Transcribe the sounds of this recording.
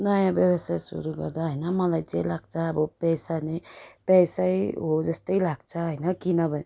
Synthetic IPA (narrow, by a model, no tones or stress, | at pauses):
najãbjəbəsajsṵɾuɡəɾd̪aɦəjnamə̃lad͡ʒelaɡ̚t͡ʃʰabopɛjsanepɛjsaiɦod͡ʒəst̪əilaɡ̚t͡ʃʰaɦəɪnakinəbə